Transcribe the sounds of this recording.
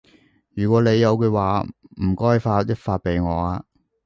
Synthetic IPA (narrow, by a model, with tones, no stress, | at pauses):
jyː˨˩kʷɔː˨˥ne˨˧jːɐ˨˧wkɵː˧waː˨m̩˨˩kɔː˥jfaː˧t̚jɐ˥t̚faː˧t̚pe˨jŋɔː˨˧aː˧